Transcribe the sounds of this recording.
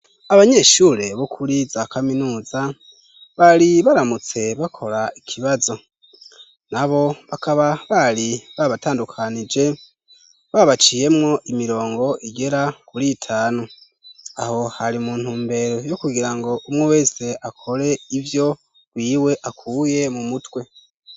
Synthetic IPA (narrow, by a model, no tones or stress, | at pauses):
aβaɲe̞ʃuɾe̞βokʰuɾizakaminuːza | βaɾiβaɾamut͡se̞βakʰo̞ɾaikʰiβazo̞ | naβo̞βakʰaβaβaɾiβaβataːndukʰanid͡ʒe̞ | βaβat͡ʃije̞mŋo̞ʔimiɾo̞ːŋɡo̞ʔiɡe̞ɾakuɾitʰaːno | a̰ho̞haɾimuːn̥huːmbe̞ɾo̞jokuɡiɾaŋɡo̞ʔumŋwewe̞ːse̞ʔakʰo̞ɾe̞ivjo̞ | ɡ̥wiːwe̞ʔakuːje̞mumutwe̞